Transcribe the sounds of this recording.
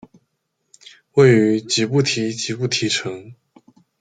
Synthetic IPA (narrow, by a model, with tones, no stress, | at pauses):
we˥˩ɪy˧˥˧t͡ɕi˧˥pu˥˩t̪ʰi˧˥t͡ɕi˧˥pu˥˩t̪ʰi˧˥ʈ͡ʂʰɤ˧˥ŋ